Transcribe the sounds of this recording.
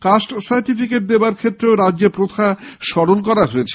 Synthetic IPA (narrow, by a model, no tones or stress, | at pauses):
kasʈsaɾʈifikeʈ̚d̪eobaɾkʰet̪ːɾeoɾadd͡ʑepɾot̪ʰaʃɔɾonkɔɾaɦoet͡ɕʰe̥